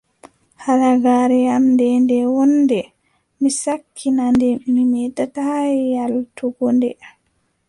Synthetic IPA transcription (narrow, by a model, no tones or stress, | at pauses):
halaɡaːɾɛjamdɛndɛwɔnːdɛ | misakʰːinandɛmimitatajjaltuɡɔndɛʔam